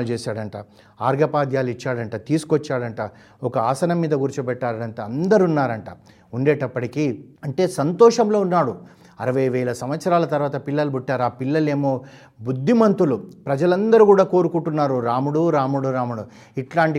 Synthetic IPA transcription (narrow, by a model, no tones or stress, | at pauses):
lt͡ʃeːsaːɽɐɳʈaː | aːɾɡʱɐpaːd̪jaːlit͡ʃːaːɽɐɳʈaːt̪iːsu̥kɔt͡ʃːaːɽɐɳʈaː | ɔkɐaːsɐnɐmːiːd̪ɐɡuɾt͡ʃupɛʈːaːɾɐnt̪ɐɐnd̪ɐɾunːaːɾɐɳʈaː | uɳɖeːʈɐpːɐʈikiːɐɳʈe̞ːsɐnt̪ɔːʂɐmlo̞ːunːaːɽu | ɐɾɐʋɐjʋɛːlɐsɐmʋɐt̪sɐɾaːlɐt̪ɐɾʋaːt̪ɐpilːɐlubuʈːaːɾaːpilːɐle̞ːmo̞ː | bud̪ʱːimɐnt̪ulupɾɐd͡ʒɐlɐnd̪ɐɾikuːɽaːko̞ːɾukuɳʈunːaːɾuɾaːmuɽuɾaːmuɽuɾaːmuɽu | iʈlaːɳʈi